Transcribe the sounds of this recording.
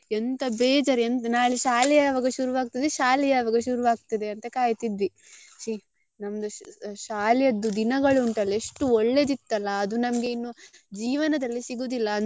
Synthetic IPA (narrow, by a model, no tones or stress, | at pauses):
ent̪ɐbeːd͡ʒɐɾent̪ɐnaːɭiʃaːlɛjaɐʋaːɡɐʃuɾuʋaːɡt̪ɐd̪eʃaːlɛjaɐʋaːɡɐʃuɾuʋaːɡ̚t̪ɐd̪e̞ɐnt̪ɐkaːjt̪id̪ʋi | ʃi | nɐmɐd̪ɐʃaːlɛjɐd̪ːud̪inɐɡɐɭuːɳʈɐleʂʈuɔɭːe̞d̪it̪ːɐlːɐːd̪unɐmɐɡe̞inːud͡ʒiːʋɐnɐd̪ɐlːisiɡuːd̪ilːɐːn